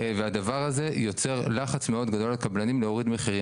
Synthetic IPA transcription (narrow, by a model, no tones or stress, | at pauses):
vead̪avaʁaze̞jo̞t͡se̞ʁlaχat͡sme̞o̞d̪ɡad̪o̞lekablanimleo̞ʁid̪me̞χiʁi